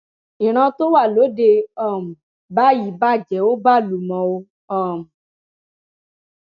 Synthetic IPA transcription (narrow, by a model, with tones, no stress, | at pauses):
ĩ˨ɾ̃ã˧to˦wa˦˨lo˨˦de˧ɔ˦˨m̩˨ | ba˨˦ji˦˨ba˦˨d͡ʒɛ˨o˦ba˦˨lu˨mɔ̃˨o˧ | ɔ˦˨m˨